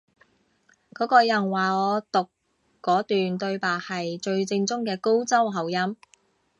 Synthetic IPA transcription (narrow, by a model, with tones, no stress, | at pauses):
kɔː˨˥kɔː˧jɐ˨˩nwaː˨˩ɔː˨˧t̪ʊ˨kː | ɔː˨˥t̪yː˨nt̪ɵ˧ɥpaː˨˩hɐ˨jt͡ʃɵ˧ɥt͡sɪ˧ŋt͡sʊ˥ŋkɛː˧ko˥wt͡sɐ˥wɦɐ˨˩wjɐ˥m